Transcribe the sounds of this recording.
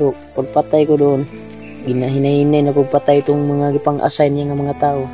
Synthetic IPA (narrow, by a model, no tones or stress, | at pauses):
ɾo | paɡ̚pat̪ajkod̪oʔon | ɡɪnaɦɪnahinajnakʊɡ̚pat̪ajt̪ʊŋmaŋaɡipaŋʔa̰sajnjaŋamɐŋat̪aːʔo